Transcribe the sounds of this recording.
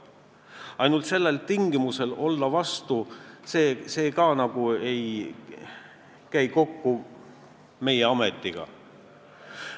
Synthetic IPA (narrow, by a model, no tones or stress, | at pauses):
ɑjnult̪se̞lːe̞lt̪iŋɡimuse̞lo̞ld̪ɑvɑst̪useːse̞ːkɑnɑɡ̥uej | kæjko̞kːu | me̞jeɑme̞t̪ːˑiɡ̥ɑ̰